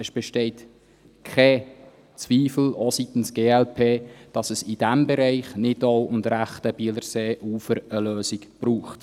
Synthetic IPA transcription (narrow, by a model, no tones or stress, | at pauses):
əsb̥ɛʃtɛɪt | kʰχɛ | t͡sviːfl̩ositn̩sɡ̥eːɛlpʰeːd̥ɑsəsɪd̥æmbɛɾɛɪχnɪdoʊʊndɾæχtəb̥iːləɾseːʔuːfəɾəløːsɪkb̥ɾuːχt